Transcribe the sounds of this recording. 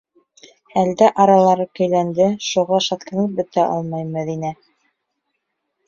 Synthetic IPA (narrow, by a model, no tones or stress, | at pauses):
æld̪æʔɑɾɑlˠɑɾɤkɵ̆jlænd̪ɘʃuʁɑʃɑt̪kɘ̆nɘp̚bɘ̆t̪æʔɑ̰lˠmɑjmæðinæ